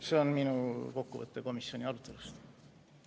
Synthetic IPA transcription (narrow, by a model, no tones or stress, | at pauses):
se̞o̞nminuko̞kːṵvɤ̰t̪ˑːe̞ko̞misio̞nʲiɑlut̪ːˑe̞lust̪